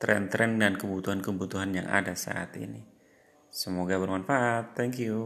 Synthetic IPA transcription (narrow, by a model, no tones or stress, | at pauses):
t̪ɾɛnt̪ɾɛndankəbut̪uɦankəbut̪uɦanja̰ŋʔa̰dasa̰ʔa̰t̪ḭni | səmoɡabərmanfaʔat̪ːɛŋkju